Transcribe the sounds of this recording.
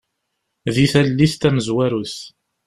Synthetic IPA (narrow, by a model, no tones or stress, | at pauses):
ðiθælːist̪æməzwæɾuθ